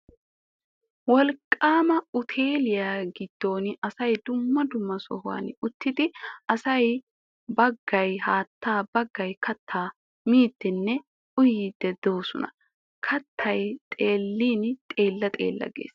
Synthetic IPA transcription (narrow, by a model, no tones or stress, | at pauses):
wɔlkʼːaːmɐʊt̪ʰe̞ːlɪjaːɡɪd̪̥ːo̞ːnɐsɐjd̪ʊmːɐd̪ʊmːɐsɔ̰hʊwa̰ːnʊt̪ːɪd̪ɪɐsɐj | bɐɡːɐjhaːt̪ːaːbɐɡːɐjkʰɐt̪ʰːaː | miːd̪̥ːɛnːɛ | ʊjiːd̪̥ːɛd̪oːsʊnɐ | kʰɐt̪ːɐjt̪ʼe̞ːlːiːnt̪ʼe̞ːlːɐt̪ʼḛːlːɐ̰ɡḛːs